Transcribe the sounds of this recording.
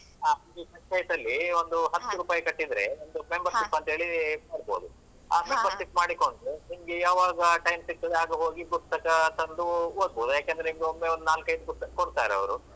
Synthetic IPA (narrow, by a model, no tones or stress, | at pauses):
aiːkɐʈːt͡ʃɐjt̪ɐlːiond̪uɦɐt̪ːuɾuːpaːjɐkɐʈːid̪ɾe̞ond̪umembɐɾt̪ipːɐnt̪ɐɦe̞ːɭimɐɽboːd̪u | aːmembɐɾt̪ipmaːɽikoɳɖunimɐɡejaːʋaːɡɐʈɐjmsik̚t̪ɐd̪eaːɡɐɦo̞ːɡipust̪ɐkɐt̪ɐnd̪uod̪̚boːd̪ujaːkeːnd̪ɾeimɡeomːeʋond̪unaːlkɐjt̪uput̪ɐkɐkoɽt̪aːɾeɐ̰ʋɾu